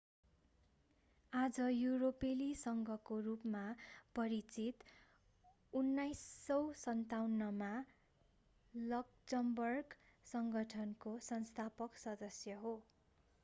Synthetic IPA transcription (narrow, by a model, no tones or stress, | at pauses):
ad͡zʌjuɾopelisʌŋɡʱʌkorupmapʌɾit͡sit̪ | unːajsːʌwsʌnt̪awnːʌma | lʌkd͡zʌmbʌrɡsʌŋɡʱʌʈʰʌnkosʌnst̪ʰapʌksʌd̪ʌsjʌɦo